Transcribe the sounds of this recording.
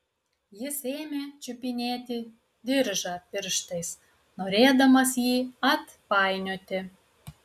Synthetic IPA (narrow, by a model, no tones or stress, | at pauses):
jɪseːmʲeːt͡ʃʲʊpʲɪnʲeːt̪ʲiː | d̪ʲɪɾʒɑːpʲɪɾʃt̪ɐɪs | noːɾʲeːd̪ɐmɐsjiːɐt̪ | pɑɪnʲoːt̪ʲɪ